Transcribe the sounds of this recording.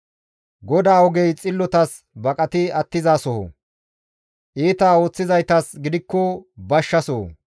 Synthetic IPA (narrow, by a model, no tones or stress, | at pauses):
ɡɔd̪aːɔɡɛjt͡sʼɪlːɔt̪ɐs | bɐkʼɐt̪ɪɐt̪ːɪzaːsɔhɔ̰ | ʔiːt̪aːoːt͡sːɪzɐjt̪ɐsɡɪd̪ɪkːɔbɐʃːɐsɔ